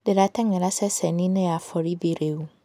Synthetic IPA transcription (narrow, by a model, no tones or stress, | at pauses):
dɪɾatʰɛŋɛ̃ɾasɛsɛnĩnɪ̃afɔɾibeɾeu